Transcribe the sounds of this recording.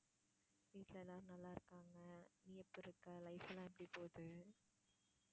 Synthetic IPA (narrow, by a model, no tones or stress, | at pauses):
ʋiːʈ̪lɐɛlːaːɾnɐlːaːɪɾɯkːaːŋɡɐniːɛpːɪɾɯkːɐlɐɪfɛlãːɛpːɐɽipoːðɯ